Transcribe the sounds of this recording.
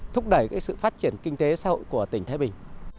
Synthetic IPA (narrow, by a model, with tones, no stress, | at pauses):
t̪ʰʊ˦˥k͡p̚ɗə˧˩jkaː˦˥k̚sɨ̰˧˨faː˦˥t̚t͡ɕi˧˩ənkï˧ŋ̟t̪e˨˦saː˨˦˥ɦo̰˧˨jku˧˩ət̪ï˧˩ŋ̟t̪ʰaː˨˦jɓï˨˩ŋ̟